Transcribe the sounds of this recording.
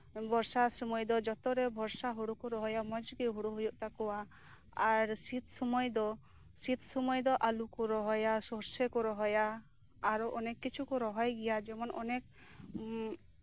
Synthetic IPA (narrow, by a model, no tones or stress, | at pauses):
bʱɔɾsasɔmɔjd̪ɔd͡ʒɔt̪ɔɾebʱɔɾsaɦuɽukuɾɔɦɔjamɔd͡ʒɡiɦuɽuɦujuʔt̪akɔwa | aɾsit̪sɔmɔjd̪ɔ | sit̪ʰsɔmɔjd̪ɔʔalukuɾɔɦɔjasɔɾsekuɾɔɦɔjaː | ɾɔʔɔnekːit͡ʃʰukuɾɔɦɔjɡɛjad͡ʒɛmɔnʔɔnek̚